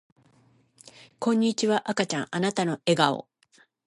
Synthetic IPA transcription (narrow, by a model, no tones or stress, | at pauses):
kõ̞ɲ̟ːit͡ɕiβaʔakat͡ɕãŋ̃ʔanat̪ano̞e̞ɡao̰